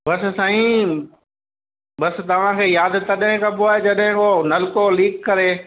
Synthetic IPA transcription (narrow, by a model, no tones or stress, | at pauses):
bɐssaːĩ | ɓɐst̪ɐʋ̤ãkʰeːjaːd̪t̪ɐɗɦɪ̃kãpoaed͡ʒɐɗɦɪ̃konɐlkoliːkːɐɾeː